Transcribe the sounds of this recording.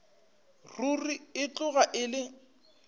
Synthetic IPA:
ruriɪt͡ɬʊɣaʔɪlɪ

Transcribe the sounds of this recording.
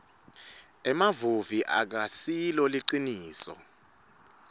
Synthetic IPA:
ɛmavuviʔa̰k̬asilɔliǃiniːsɔ̰

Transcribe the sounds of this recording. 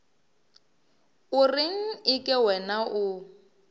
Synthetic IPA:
ʊrɪŋ̩ɪkʼɪwɛnaʔʊ

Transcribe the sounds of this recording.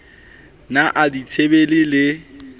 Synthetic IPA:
naʔaditʰebelɪlɪ

